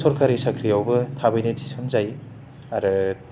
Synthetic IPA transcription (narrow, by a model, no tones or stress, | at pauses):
sɔɾkʰaɾisakʰɾijawbɯtʰabɯjnetʰisɯnzaj | aɾɯ